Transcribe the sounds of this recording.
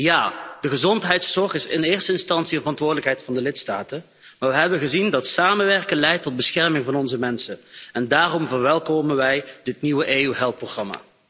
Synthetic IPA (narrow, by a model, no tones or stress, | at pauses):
jaːd̥əɣəzɔntɦɛjtsɔɹχɪsɪnɪːrstəɪnstɑntsiənvərɑntʋʊːɹdələkɦɛjtfɑndəlɪtstaːtən | maːʋəɦɛbənɣəzindɑtsaːmənʋɛɹkənlɛjtːɔd̚bəsxɛrmɪŋvɑnɔnzəmɛnsənɛndaːrɔmvərʋɛlˠkoːmənʋɛjdɪtniʋəʔeːyɦɛlˠfproχrɑma̰ː